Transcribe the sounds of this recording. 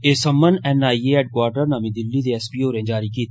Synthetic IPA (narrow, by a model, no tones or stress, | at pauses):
eːsəmːənɛːnaːiːeːɛːɖ̚kwaːɾɖəɾnãːmĩːd̪ɪlːiːd̪eːɛspiːoːɾẽːd͡ʒaːɾiːkiːt̪